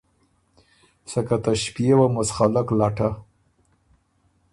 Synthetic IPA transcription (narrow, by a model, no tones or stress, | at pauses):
sakat̪aʃpjewamʊsχalaklɑʈa